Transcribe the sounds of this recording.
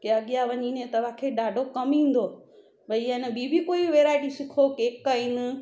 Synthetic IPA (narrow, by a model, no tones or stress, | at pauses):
keɐɠijaʋɐɲiːnẽt̪ɐʋãkʰeɗaːɖʱokɐmĩːn̆d̪o | bɐijəɪnəbibʱikoːiʋeːɾaːɪʈisɪkʰokeːkːɐiːnɪ̆